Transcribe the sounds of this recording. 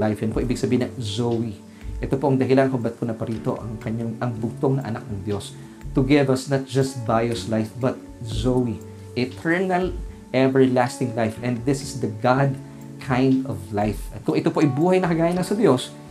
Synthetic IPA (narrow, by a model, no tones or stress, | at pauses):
lajfjɐnpoʔiːbɪɡsɐbiːhɪnɐzowi | ʔɛt̪opoʔɐŋd̪ɐɦɪlankʊmbɐt̪̚kʊnɐpɐɾiːt̪o̞ʔɐ̰ŋkɐɲaŋʔɐŋbʊɡ̚t̪oŋnɐʔɐ̰nak̚nɐŋd̪jo̞s | t̪ʊɡɪvɐsnɐt̪̚d͡ʒɐst̪̚bajoslajfbɐt̪̚ | zowi | ʔɪt̪ʰɛɹnɐl | ʔɛvɛɹlast̪ɪŋlajfʔɛ̃nd̪ðɪsɪsd̪ɐɡad̪ | kʰãjnd̪ɔvlajfɐt̪̚kʊŋɛt̪opoʔɐjbuːhɐjnɐkɐɡaːjɐnɐsɐd̪jo̞s